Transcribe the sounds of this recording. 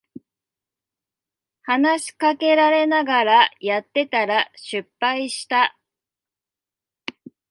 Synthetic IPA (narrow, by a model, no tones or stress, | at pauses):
hanaɕi̥kake̞ɾaɾe̞naɡaɾajat̪ːe̞t̪aɾaɕɨpːaiɕi̥t̪a